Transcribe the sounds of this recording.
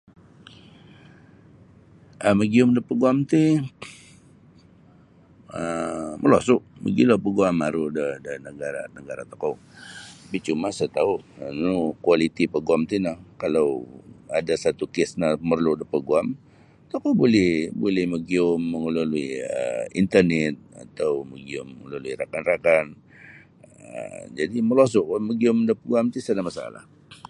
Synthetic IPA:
ʔəməɡiʊmdəpəɡuamt̪i | əməlosʊʔmə̰ɡilopəɡuamaɾudədənəɡaɾa̰nəɡaɾa̰t̪o̥kow | apit͡ʃumasat̪aʊʔnukualit̪ipəɡuamt̪inahkalawadasat̪ukɪsnamərludəpəɡuam | t̪okobolɛhbolɛhməɡiʊmːəŋəlaluiə̰ḭnt̪ərnɛt̪̚a̰t̪awməɡiʊməŋəluluiɾakanrakan | ə̰d͡ʒadiməlos̬ʊʔməɡiʊmdəpəɡuamt̪usanamasaa̰la̰h

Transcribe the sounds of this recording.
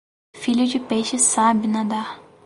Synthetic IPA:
fiʎʊd͡ʒɪpeʃɪsabɪnãd̪a

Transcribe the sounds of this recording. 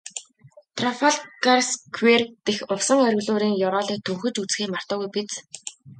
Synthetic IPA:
t̪ʰrɔfaɮkarskʰwert̪exʊwsə̆ŋœɾ̆ʲɣɮʊːɾiːŋjɔɾɔːɮiːt̪ʰuŋxɵ̆t͡ɕut͡sxiːŋmḁt̪ɔːɣujpit͡s

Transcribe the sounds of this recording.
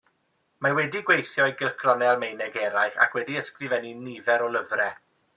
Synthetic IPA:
mawɛdiɡwejθjɔjɡɪlˠkʰrɔnɛlˠmejnɛɡɛɾajχa̰kʰwɛdiəskrɨvɛninivɛɾɔlˠəvrɛ

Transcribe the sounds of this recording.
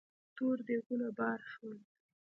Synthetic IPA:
t̪oɾd̪eɣulabɑɾʃwəl

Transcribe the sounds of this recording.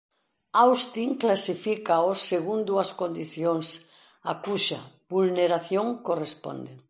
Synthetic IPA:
awst̪iŋklasifikaoseɣund̪uɐskond̪iθjoŋs | akuʃɐ | bulneɾaθjoŋkorespo̰nd̪e

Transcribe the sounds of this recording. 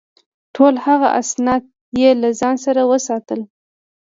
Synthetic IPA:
ʈʰolhaɣa̰ʔasnɑd̪̚ | jelazɑnsaɾawəsɑt̪əl

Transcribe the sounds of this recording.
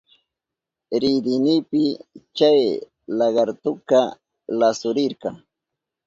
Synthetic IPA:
ɾɪd̪ɪniːpɪt͡ʃaj | lɑɢɑɾt̪ʊka | lasʊɾɪɾkɑŋ

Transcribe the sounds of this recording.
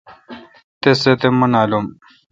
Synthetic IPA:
t̪eset̪emunaːlum

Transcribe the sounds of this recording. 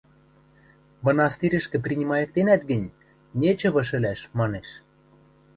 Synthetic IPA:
vɤ̆nɑst̪iɾʲɘ̆ʃkɘ̆prʲinʲimɑjɤ̆k̚t̪enæt̪ɡɘ̆nʲ | nʲet͡ɕɤ̆βɤ̆ʃɘ̆lʲæʃmɑneʃ

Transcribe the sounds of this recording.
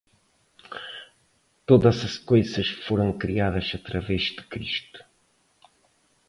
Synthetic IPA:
t̪oðɐzɐʃkojzɐʃfoɾɐ̃w̃kɾiaðɐzɐt̪ɾɐvɛzd̪ɨ̥kɾiʃt̪u̥

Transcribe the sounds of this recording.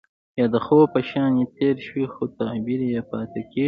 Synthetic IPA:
jɑːd̪əxopəʃɑːnet̪eːɾʃwixot̪abiɾjapɑːt̪ekeː

